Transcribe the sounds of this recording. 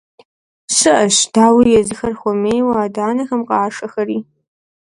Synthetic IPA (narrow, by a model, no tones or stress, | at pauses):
ɕɨʔɐʃd̥aːwijɛzɨxɐrxʷɔmeːjwaːdaːnɐxɐmqɑːʂɐxɐriː